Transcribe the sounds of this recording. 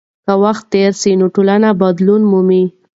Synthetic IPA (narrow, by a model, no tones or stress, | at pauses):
kawaxt̪ːeɾsinoʈolanabad̪lunmumi